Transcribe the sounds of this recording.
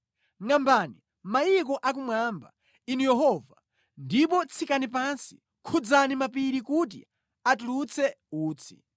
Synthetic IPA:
ŋambani | majik̬ɔʔak̬umwaːmba̰ | inujɛɦɔva | ndipɔt͡sʰikanip̬ansi̥ | kʰud͡zanimapiɾikut̬ḭ | atulut͡sʰɛ | uːt͡sʰi̥

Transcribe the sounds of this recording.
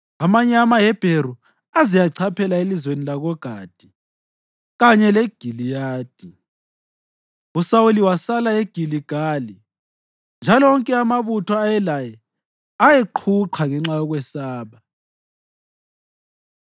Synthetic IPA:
amaɲɛamajɛb̥ʱeru | azijaǀʰapʰɛlaelizwenilaɣɔɡ̥ʱad̥ʱi | ɣaɲɛleɡ̥ʱilijaːd̥ʱi | usauliwasalaeɡ̥ʱiliɡ̥ʱaːli | nd͡ʒʱalɔɔŋkʼɛamaβutʰɔajɛlajɛ | ajeǃʰuǃʰaŋɛŋ͡ǁajɔɣwɛsaːβa

